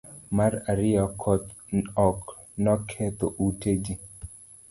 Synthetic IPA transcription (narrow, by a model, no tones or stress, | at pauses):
maɾaɾɪjɔkʰɔt̪ɔk | nɔkʰet̪oʔuted͡ʒi